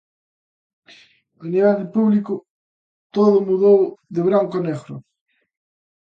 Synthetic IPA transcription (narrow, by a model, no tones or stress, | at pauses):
aniβɛld̪ɪpuβlikʊ | t̪oðʊmuðowðɪβɾaŋkaneɣɾʊ̰